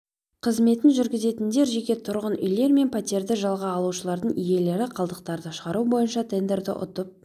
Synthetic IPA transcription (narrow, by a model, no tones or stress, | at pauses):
qʰəzme̞t̪ɪnʒʏɾɡʲɪze̞t̪ɪnd̪e̞ɾʒekʲe̞t̪ʰʊɾʁənʏjle̞ɾme̞npʰat̪ʲe̞ɾd̪ɪʒɑlˠʁɑːlˠuʃəlˠɑɾd̪əɴije̞le̞ɾɪqʰɑlˠd̪əq̚t̪ɑɾd̪əɑʃəʁɑɾubo̞jənʃɑt̪ʰe̞nd̪e̞ɾd̪ɪ̰ʔʊ̰t̪əp̚